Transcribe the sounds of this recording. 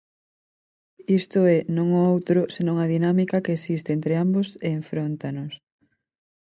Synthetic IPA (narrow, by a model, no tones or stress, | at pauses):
ist̪ʊɛnõŋɔowt̪ɾʊsenõŋɐðinamikakeːsist̪eent̪ɾeamboseːɱfɾont̪anʊs